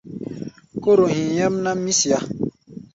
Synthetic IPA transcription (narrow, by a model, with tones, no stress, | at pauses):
ko˦ɾo˨hĩ˨ja˦mna˦mi˦si˨a˨